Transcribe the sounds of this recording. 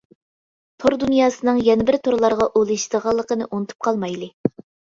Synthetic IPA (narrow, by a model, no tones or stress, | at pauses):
t̪ʰoɾd̪unjɑːsɨnɨŋjɛnɪbɪɾt̪ʰoɾlˠɑɾʁɑʔolˠɨʃd̪əʁɑlˠːəqənɨʔonɨt̪ʰu̥p̚qʰɑlˠmɑjlˠɨ